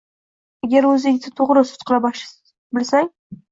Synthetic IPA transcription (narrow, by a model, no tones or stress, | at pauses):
aɡʲaɾɵzɪŋʲt̪ɪt̪ʰʊʁɾɪsʊ̥t̪qʰɨlˠabɒʃ | bɪlsaŋ